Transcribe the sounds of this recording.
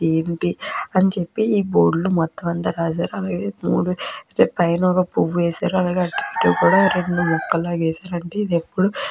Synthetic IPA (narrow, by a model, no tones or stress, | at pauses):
eːɳʈiɐnit͡ʃe̞pːiiːboːɖlumɔt̪ːɐmɐnt̪ɐɾaːd͡ʒaːɾuɐlaːɡeːmṵːɽuɾpɐjnɔːɡɐpuʋːuʋɛːsaːɾuɐlaːɡeɐʈːiʈ̪uːkuːɽaːɾe̞ɳɖumɔkːɐlːoːʋeːsaːɾɐɳʈeːid̪epːuɽu